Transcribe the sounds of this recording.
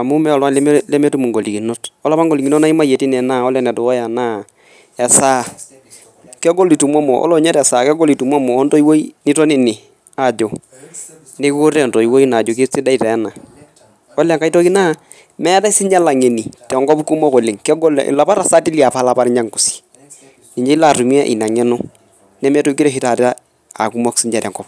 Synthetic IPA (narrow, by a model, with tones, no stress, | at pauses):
a˨mu˦mɛ˦ɔ˨lwa˦lm˦lɛ˦mɛ˦tu˦mu˨ŋɡo˨li˨ki˨no˦tɔ˦la˦pa˦ŋɡo˨li˨ɡi˨no˦na˦i˦ma˦je˨ti˦nɛ˨naː˦˨ɔ˦lɛ˨nɛ˨to˨wɔ˦ja˨naː˦ | ɛ˨saː˦ | kɛ˦ɡo˦li˨tu˨mɔ˦mɔ˨ʔɔ̰˦lɔ˨˦ɲɛ˦tɛ˨sa˨kɛ˦ɡo˦li˨tu˨ma˦mɔː˨˦nto˦i˦wo˦i˦ni˦tɔ˦nɪ˦nɪ˨ | a˨d͡ʒo˨ | ne˦ko˦ɾɛ˦˨ntɔ˨i˨wo˦i˦na˨d͡ʒo˨k̬e˦si˦da˦i˨tɛ˨˦na˨ | ɔ˦la˨ŋka˦itɔ˦ki˦na˦ | mɛ˦ta˦sɪ˦ɲd͡ʒa˦la˨ŋe˨ni˨tɛ˨ŋɡɔ˦pku˦mɔ˦ko˨lɪ˨ŋkɛ˦ɡɔ˦l̰la˨pa˦ɾa˨sa˦ti˦li˦a˨pa˦la˨pa˦ɾɲa˦ŋku˨si̥˨ | ni˨ɲd͡ʒe˦la˨tu˨mi˦ɛ˦ʔḭ˨na˨ŋɛ˦nʊ˦ | nɛ˦mɛ˦to˦ki˦ɾɛ˨ɦi˦ta˨ta˦ | a˨ku˦mɔ˦ksi˦ɲd͡ʒa˨ɾɛ˨ɡɔ˦p